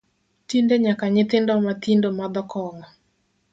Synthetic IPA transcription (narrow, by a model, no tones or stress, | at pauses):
tindeɲakaɲɪt̪ɪndɔmat̪indomad̪ɔkɔŋɔ